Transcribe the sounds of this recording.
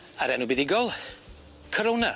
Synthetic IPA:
aɾɛnubiðɪɡɔlˠ | kʰəɾowna

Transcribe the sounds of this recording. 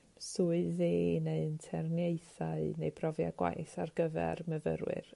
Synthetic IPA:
suːɨðeːneɨntʰɛrnjeɨθaɨnejbrɔvjaɡwa̰jθarɡəvɛ̰rməvə̰ɾwɨ̰r

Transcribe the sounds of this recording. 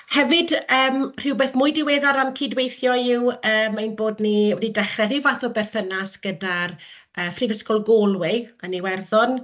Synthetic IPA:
hɛvɪdəːmr̥ɪwbeːθmʊɨdɪweːðɔdankʰiːdwejθjɔɪwəːmːainboːdniwɛdidɛχrɛɾɪwvaθɔbɛrθənasɡ̥ədar | əːfrivəskɔlˠɡɔlˠwɪaniwɛrðɔn

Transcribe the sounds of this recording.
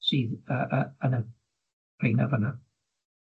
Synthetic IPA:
siːðəʔəənə | rejna̰vəna

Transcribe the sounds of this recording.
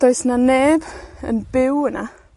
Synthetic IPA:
d̥ɔjsnaneːbə̰nbɪwəna

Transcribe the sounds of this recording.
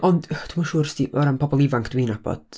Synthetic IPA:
ʔɔndtʰumaʃuːɾstiʔɔɾanpʰɔbɔlˠivaŋkʰd̥wiːnab̥ɔ̰d̥

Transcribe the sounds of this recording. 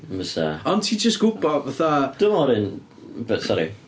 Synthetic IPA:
məsa̰ɔ̃ntʰiːd͡ʒəsɡ̥ʊɡ̚bɔvaθad̥əmɔɾɪn | b̥ətsɔɾḭ

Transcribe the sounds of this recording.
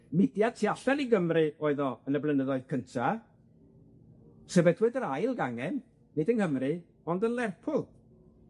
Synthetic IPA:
mɪdjad̥̚tʰiaɬɛlˠiɡəmrɨoɨðɔənəblˠənəðɔɨðkʰəntʰa | sɛbɛdwɨdəɾajlˠɡaŋɛnː | ɪdənhəmrɨ | ɔndənlˠɛrpʰʊlˠ

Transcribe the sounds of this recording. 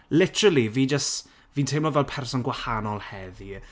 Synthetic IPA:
lɪtʰəɾəlˠiviːd͡ʒəst | viːntʰejmlɔvɛlˠpʰɛrsɔnɡwahanɔlˠhɛði

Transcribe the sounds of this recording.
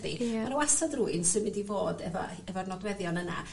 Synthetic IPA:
ðḭmanowasadruɨnsɨnmɪndivoːdɛvɔ̰ | ɛvɔrnɔdwɛðjɔnəna̰

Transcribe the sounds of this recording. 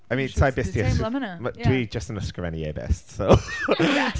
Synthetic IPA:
aɪmĩːnsaɪbɪstiəsmd̥əwid͡ʒʌstnəskəvɛniɛ̰ːbɛ̰stsoʊ

